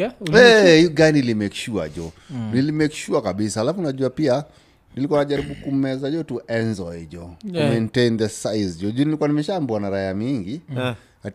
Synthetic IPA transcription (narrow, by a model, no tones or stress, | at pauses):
ɛhiɔɡanilimɛkʃua̰ʄɔnilimɛkʃuakaɓisahalafunaʄuapia | nilikuanaʄaɾiɓukum̩ɛzaʄɔtuʔɛnzɔjd͡ʒɔtumẽntẽnðɛsajzd͡ʒɔd͡ʒɔnilikuwanimɛʃaːmbuanaɾaamiŋɡi | a